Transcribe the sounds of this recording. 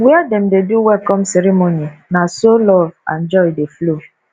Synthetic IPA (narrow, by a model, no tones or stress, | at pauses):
wiadɛm̩deduwɛlkɔmseɾemoninasolɔva̰n̩d͡ʒɔjdeflo